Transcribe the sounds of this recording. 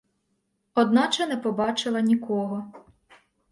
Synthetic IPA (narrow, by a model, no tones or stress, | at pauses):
ɔd̪nɑt͡ʃɛnɛpɔbɑt͡ʃɪlˠɐnʲikɔɦɔ